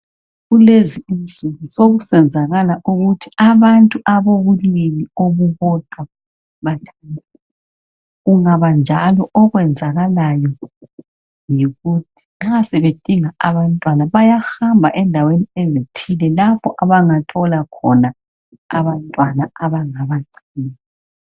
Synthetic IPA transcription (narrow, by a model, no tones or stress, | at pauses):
ɣuleziinzʼiŋisoɣusɛnd͡zʱaɣalauɣutʰi̥aβantʼuʔaβoɣulimioβuβɔtʼwa | βatʰan | ɣuŋaβand͡ʒʱalɔʔɔɣwɛnd͡zʱaɣalajɔ | jiɣutʰi̥ŋ͡ǁasɛβed̥ʼiŋaaβantʼwanaβajaxambʱaʔɛndʱaweniɛzetʰilɛlapʰɔʔaβaŋatʰɔlakʰɔna | aβantʼwanaaβaŋaβaǀinː